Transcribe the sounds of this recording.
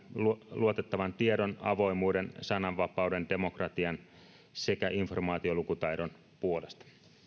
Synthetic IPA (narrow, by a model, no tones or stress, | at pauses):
luo̞t̪et̪ːɑʋɑnt̪iedo̞nɑ̰ʋo̞jmuːde̞nsɑnɑʋːɑpɑwde̞nd̥e̞mo̞krɑt̪iɑn | se̞kæʔinfo̞rmɑːt̪io̞lukut̪ɑjdo̞n | puo̞le̞st̪ɑ̥